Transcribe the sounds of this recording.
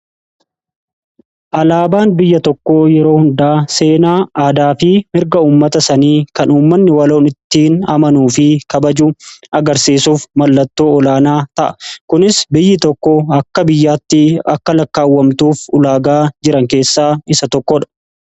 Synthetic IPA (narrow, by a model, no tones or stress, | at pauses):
ʔɐlaːbaːnbɪjːɐt̪ɔkːo̞ːjɛɾo̞ːhʊnd̪aːse̞ːnaːaːd̪aːfɪmɪɾɡɐuːmːɐt̪ɐsɐniːkɐnuːmːɐnːɪwɐlo̞ːnɪt̪ːiːnɐmɐnuːfɪkɐbɐd͡ʒuːɐɡɐɾsiːsuːfmɐlːɐt̪ːo̞ːɔlaːnaːt̪ɐʔɐ̥kʊnɪsbɪjːɪt̪ɔkːoɐkːɐbɪjːaːt̪ːɪɐkːɐlɐkːaːwːɐmt̪uːfʊlaːɡaːd͡ʒɪɾɐŋke̞ːsːaːɪsɐt̪ɔkːɔᶑɐ̥